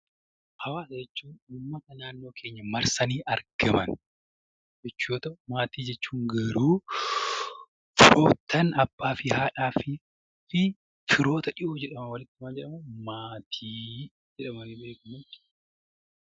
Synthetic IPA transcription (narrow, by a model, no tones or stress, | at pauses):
hɐwaːsɐd͡ʒɛt͡ʃːuːnʊmːɐt̪ɐnaːnːo̞ːkʰeːɲːɐmɐɾsɐniːʔɐɾɡ̥ɐmɐn | d͡ʒɛt͡ʃːuːt̪ɐʔʊmaːt̪iːd͡ʒɛt͡ʃːuːŋɡɐɾuː | fɪ̰ɾoːt̪ʰːɐnɐbːaːfɪhaːᶑaːfɪ | fɪ | fɪɾo̞ːt̪ɐᶑɪʔoːd͡ʒɛᶑɐmɐwɐlɪt̪ːɪmɐnd͡ʒɛᶑɐmɐmaːt̪ʰiː | d͡ʒɛᶑɐmɐnibe̞ːkɐmɐt̪ːɪ̥